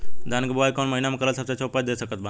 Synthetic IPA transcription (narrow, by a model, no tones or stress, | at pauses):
d̪anɡboʋajkoːnməɦinamẽkəɾəlsəbset͡ʃʰoːpad̪eːsəkət̪̚ba